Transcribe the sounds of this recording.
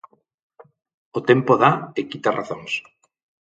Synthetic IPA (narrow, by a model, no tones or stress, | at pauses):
ot̪empoðaekit̪arʔa̰θoŋs